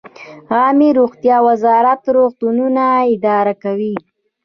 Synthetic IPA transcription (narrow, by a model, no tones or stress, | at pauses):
ɣɑmiɾoɣt̪jɑwazɑɾat̪ɾoɣt̪ununaɪd̪ɑɾakawi